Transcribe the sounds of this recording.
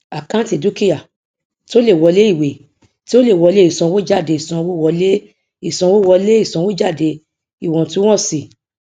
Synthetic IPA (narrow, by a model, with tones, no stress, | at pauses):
a˨kã˦ti˨du˦ki˦ja˦˨ | ti˦o˦le˦˨wɔ˧le˦i˦˨we˨ | ti˦o˦le˦˨wɔ˨˧le˦i˦˨sɔ̃˧wo˦d͡ʒa˦˨de˧˨i˨sɔ̃˧wo˦˨wɔ˧le˦ | i˦˨sɔ̃˧˦wo˦wɔ˧le˦i˦˨sɔ̃˧wo˦d͡ʒa˦˨de˧ | i˦˨w̃ɔ̃˨tũ˨˦w̃ɔ̃˦˨si˨